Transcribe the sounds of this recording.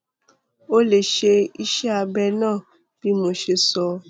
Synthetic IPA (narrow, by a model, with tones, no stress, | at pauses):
o˦le˨ʃe˧i˦ʃɛ˦a˧bɛ˧nãː˦˨ | b̥i˨˦mo˨˧ʃe˧sɔ˧